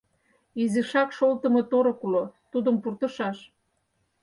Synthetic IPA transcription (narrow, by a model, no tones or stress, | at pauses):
iziʃɑkʃolt̪ə̆mɤ̆t̪oɾŏkulot̪ud̪əmpurt̪ɤ̆ʃɑʃ